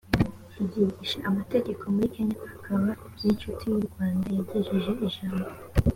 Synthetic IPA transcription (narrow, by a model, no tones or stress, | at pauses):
hiɟiɡiʃaʔamate̞ɟe̞kʰo̞muɾike̞ɲahakʰaβa | bɟ̥iːt͡ʃutʰujuɾɡwaːndajaɟeʒeʒe̞ʔiʒaːmbo